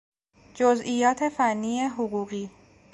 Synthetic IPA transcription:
d͡ʒozʔijɒːt̪ʰe̞fænːiːjeɦoɣuːɣiː

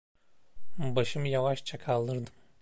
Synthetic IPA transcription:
baʃɯmjavaʃt͡ʃʰakʰalˠd̪ɯɾd̪ɯm

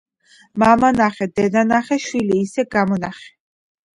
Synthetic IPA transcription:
mamanaχɛd̪ɛd̪anaχɛʃwiliːsɛɡamɔnaχɛ̥

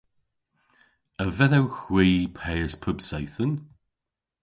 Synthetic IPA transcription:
əvɛðɛwxwiːpʰɛːəspʰʊbsɛjθən

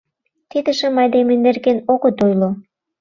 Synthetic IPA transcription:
t̪id̪ə̆ʃə̆mɑjd̪emenerɡenoɣə̆t̪ojlo

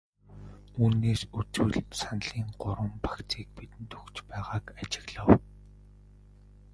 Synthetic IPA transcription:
uːneːsut͡swŭɮsanɮ̥iːŋɢʊɾwə̆mpḁkt͡sʰiːk̚pit̪ɘ̆nt̪ɵkt͡ɕpæːʁaːkat͡ɕɪ̥̆ɣɮə̆w

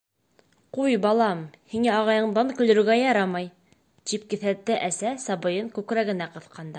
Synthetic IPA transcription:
qujbɑlˠɑmhiŋæɑʁɑjɤ̆ɴd̪ɑŋkɵ̆lɵ̆ɾɵ̆ɡæjɑɾɑmɑj | t̪ip̚kɘ̆θæt̪ːɘʔæsæsɑbɤ̆jɤŋkʉkɾæɡɘ̆næqɤ̆θqʰɑnd̪ɑ

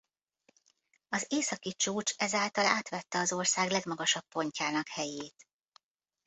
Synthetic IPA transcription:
ɒzeːsɒkit͡ʃuːt͡ʃɛzaːlt̪ɒlaːt̪ʋɛt̪ːɛɒzo̞rsaːɡlɛɡmɒɡɒʃɒpːo̞ɲcaːnɒkhɛjeːt̪

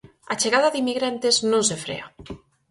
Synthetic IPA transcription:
at͡ʃeɣaðaðimiɣɾant̪eznõnsefɾḛa

